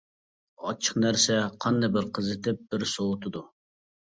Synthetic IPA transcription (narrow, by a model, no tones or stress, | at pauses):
ɑt͡ʃʰə̥qnæɾsɛqʰɑnd̪ɑbɪɾqʰəzɪt̪ɪp̚b̥ɪɾsowʊt̪ʰɨd̪u